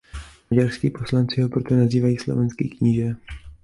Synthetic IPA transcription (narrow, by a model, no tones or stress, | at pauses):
maɟarskiːposlant͡sɪɦopɾot̪onaziːvajiːslo̞̰vɛnskḭːkɲiʒɛ